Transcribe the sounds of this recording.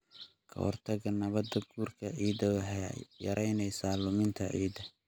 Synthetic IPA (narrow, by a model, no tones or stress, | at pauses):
kʰɐ̰hɔ̰rt̪ʰɐɣɐnɐβɐd̪ɐɡuːrkʰɐʕiːd̪ɐħjɐɾʔɛjnɛjsaːlʊmɪnt̪ʰɐʕiːd̪ɐ